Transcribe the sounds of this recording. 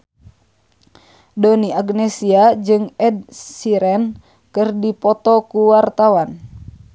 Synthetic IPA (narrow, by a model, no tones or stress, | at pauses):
doniaɡnɛsiad͡ʒɨŋɛd̚siɾɛn | kɨrdipɔt̪ɔkuwart̪awan